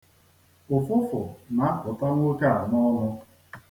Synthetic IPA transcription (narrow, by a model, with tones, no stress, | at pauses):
ʊ˨fʊ˦fʊ̰˨na˨a˦kʊ˨ta˦n˦o˦ke˦a˨nɔ˦nʊ˦